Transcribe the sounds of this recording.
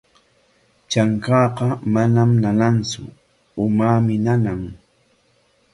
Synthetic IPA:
t͡ʃaŋkɑːqɑmanamnanant͡sʊ̰ | ʊmaːmɪnanaŋ

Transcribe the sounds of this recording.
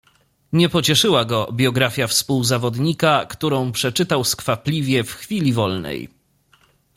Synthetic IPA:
ɲɛpɔt͡ɕɛʂɘwaɡɔbʲjɔɡɾafʲjafspuwzavɔd̪ɲikakt̪uɾɔ̃w̃pʂɛt͡ʂɘt̪awskfaplʲivʲjɛfxfʲilʲivɔlnɛ̰j

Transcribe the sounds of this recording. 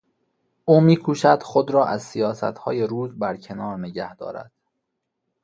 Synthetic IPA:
ʔuːmiːkʰuːʃæd̪̥xod̪ɾɒːʔæzsijɒːsæ̰t̪hɒːje̞ɾuːzbæɾcʰe̞nɒːɾneɟæhd̪̥ɒ̰ːɾæ̰d̪̥

